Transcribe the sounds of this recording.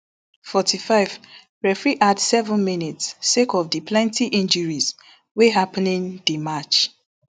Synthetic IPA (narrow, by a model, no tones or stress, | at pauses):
fɔtʰifaɪv̥ | ɹɛfɹiʔadsɛvə̃nminitsːekɔvdiplɛ̃ntiʔĩnd͡ʒəɹiz | weɦapnĩŋdimat͡ʃ